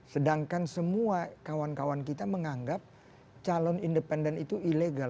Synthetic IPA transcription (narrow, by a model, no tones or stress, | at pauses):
sədaŋkansəmuakawankawankit̪aməŋaŋɡap̚ | t͡ʃalɔnindəpɛndɛnit̪uileɡal